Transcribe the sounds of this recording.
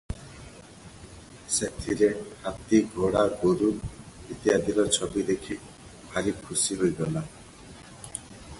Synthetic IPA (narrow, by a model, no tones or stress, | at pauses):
set̪ʰiɾehat̪iɡʱoɽaɡoɾumit̪iad̪ilɔɾt͡ʃʰɔbid̪ekʰi | bʰʱaɾikʰusiɦojɡɔla